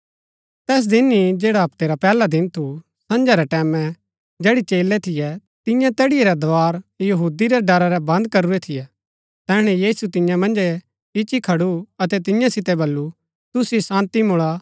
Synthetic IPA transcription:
t̪ɛːs̬d̪ɪnːid͡ʒeːɽaɦɐpt̪eːɾapɛːlad̪ɪ̃nt̪ʰu | sɐ̃nd͡ʒaɾɛʈɛːmɛ̃ | d͡ʒeːɽit͡ʃeːlɛt̪ʰɪjɛt̪ɪ̃jãt̪ɐɽɪjeɾɛd̪ʋaːɾjɐɦuːd̪iɾɛɖɐɾaɾɛbɐ̃nd̪kɐɾuɾɛt̪ʰɪjɛ | t̪ɛːɽ̃ɛ̃jiːsut̪ɪ̃jãmɐ̃nd͡ʒ | ɪt͡ʃikʰɐɽuɐt̪ɛt̪ɪ̃jãsɪt̪ɛbɐlːu | t̪ʊsisãːnt̪imʊɭa

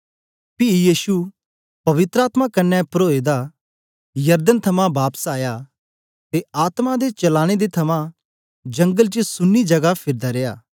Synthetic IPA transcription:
pɪijiːsu | pɐʋɪt̪ɾəaːt̪makɐnːɛpɾoːed̪a | jɐɾd̪ənt̪ʰɐmãbaːpsaːja | t̪eaːt̪mãd̪et͡ʃɐlaːɽ̃ed̪et̪ʰɐmã | d͡ʒɐ̃ŋɡəlt͡ʃəsʊnːid͡ʒɐɡapʰɪɾd̪aɾeːa̰ː

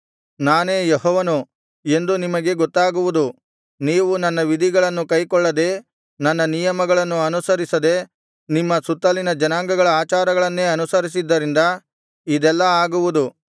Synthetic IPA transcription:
naːne̞ːjeɦɔːʋɐnu | e̞nd̪unimɐɡe̞ɡɔt̪ːaːɡuʋud̪u | niːʋunɐnːɐʋid̪ʱiɡɐɭɐnːukɐjkɔɭːɐd̪e̞ː | nɐnːɐnijɐmɐɡɐɭɐnːuɐnusɐɾisɐd̪e̞ː | nimːɐsut̪ːɐlinɐd͡ʒɐnaːŋɡɐɡɐɭɐaːt͡ʃaːɾɐɡɐɭɐnːe̞ːɐnusɐɾis̬id̪ːɐɾind̪ɐ | id̪ɛlːɐaːɡuʋud̪u

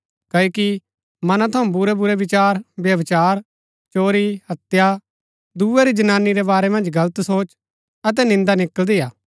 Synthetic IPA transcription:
kɐoːki | mɐnãt̪ʰɐũbʊɾɛbʊɾɛʋɪt͡ʃaːɾʋjɐbt͡ʃaːɾ | t͡ʃoːɾihɐt̪ja | d̪ueɾid͡ʒɐnaːniɾɛbaːɾɛmɐ̃nd͡ʒɡɐlət̪soːt͡ʃ | ɐt̪̬ɛnɪ̃nd̪anɪkəld̪ɪjaː

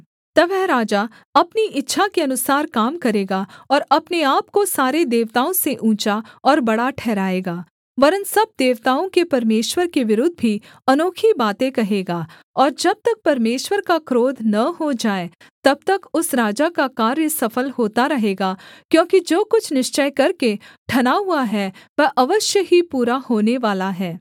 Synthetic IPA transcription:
t̪ɐbɛɦɾaːd͡ʒa | ɐpniɪtːʃʰakeɐnʊsaːɾkaːmkɐɾeːɡaɔːɾɐpneaːp̚kosaːɾed̪eːʋt̪aːõseʔũːt͡ʃaɔːɾbɐɽaʈʰɛːɾaːeːɡaː | ʋɐɾənsɐb̚d̪eːʋt̪aːõkepɐɾmeːʃwəɾkeʋɪɾʊd̪ʱbʱi | ɐnoːkʰibaːt̪ẽkɐɦeːɡaː | ɔːɾd͡ʒɐb̚t̪ɐk̚pɐɾmeːʃwəɾkakɾoːd̪ʱnɐɦod͡ʒaːe | t̪ɐb̚t̪ɐkʊsɾaːd͡ʒakakaːɾjəsɐfəlhoːt̪aɾɐɦeːɡaːkjõːkid͡ʒoːkʊt͡ʃʰnɪʃt͡ʃəjkɐɾkeʈʰɐnaɦʊaɦɛːʋɐʔɐʋəʃjəɦipuːɾahoːneʋaːlaɦɛː

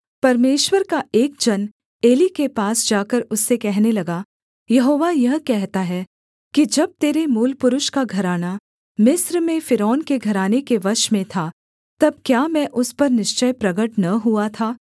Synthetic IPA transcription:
pɐɾmeːʃwəɾkaeːk̚d͡ʒɐn | eːlikepaːsd͡ʒaːkəɾʊsːekɛɦnelɐɡa | jɐɦoːʋajɐɦkɛɦt̪aɦɛ | kid͡ʒɐb̚t̪eːɾemuːlpʊɾʊʃkaɡʱɐɾaːna | mɪsɾmẽfɪɾɔːnkeɡʱɐɾaːnekeʋɐʃmẽt̪ʰaː | t̪ɐb̚kjaːmɛ̃ʔʊspɐɾnɪʃt͡ʃəjpɾɐɡəʈnɐɦuat̪ʰaː

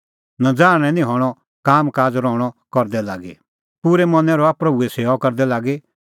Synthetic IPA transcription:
nad͡zaːɽ̃ɛ̃nĩɦɔ̃ɔ | kaːmkaːd͡zɾɔːɽ̃ɔkɔɾd̪ɛlaːɡḛ | puɾɛmɐnɛ̃ɾɔapɾɐbuɛseːɔkɐɾd̪ɛlaːɡe

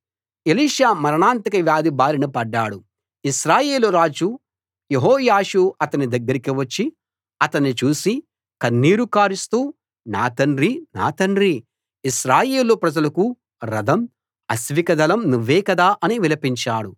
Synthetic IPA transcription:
eliːʂaːmɐɾɐɳaːnt̪ɐkɐʋjaːd̪ibaːɾinipɐɖːaːɽu | isɾaːje̞ːluɾaːd͡ʒu | jeɦɔːjaːʂuɐt̪ɐnid̪ɐɡːɐɾikiʋɐt͡ʃːi | ɐt̪ɐnːit͡ʃuːsi | kɐnːiːɾukaːɾist̪uː | na̰ːt̪ɐnɾina̰ːt̪ɐnɾiː | ʃɾaːjeːlupɾɐd͡ʒɐlɐku | ɾɐd̪ʱɐm | ɐsʋikɐd̪ʱɐlɐmnuʋːɛːkɐd̪aːʔɐniʋilɐpiɲt͡ʃaːɽu

